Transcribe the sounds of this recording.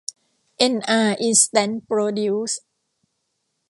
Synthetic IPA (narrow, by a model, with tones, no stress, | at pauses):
ʔe˧nʔaː˧˩ʔi˧nst̪ɛ˦˥npɾoː˧du˦˥s